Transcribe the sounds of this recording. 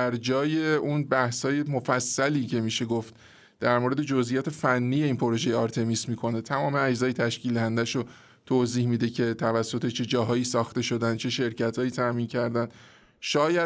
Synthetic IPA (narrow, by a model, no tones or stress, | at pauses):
æɾd͡ʒɒːje̞unbæhshɒːje̞mofæsːæliːcʰe̞miːʃe̞ɡoft̪̚ | d̪̥æɾmoːɾe̞d̪e̞d͡ʒo̞zʔijɒːt̪ʰe̞fænːije̞iːnpʰoɾo̞ʒe̞jeɒːɾt̪ʰe̞mismiːkʰo̞ne̞t̪ʰæmɒːmeæd͡ʒzɒːjet̪ʰæʃcild̪æhænd̪æʃo | t̪ʰoːziːhmid̪e̞cʰe̞t̪ʰævæsːot̪ʰe̞t͡ʃʰe̞d͡ʒɒːɦɒːjiːsɒːxt̪e̞ʃod̪ænd̪̚t͡ʃʰe̞ʃe̞ɾcæt̪ʰhɒːjiːt̪ʰæmiːncʰæɾd̪ænd̪ | ʃɒːjæ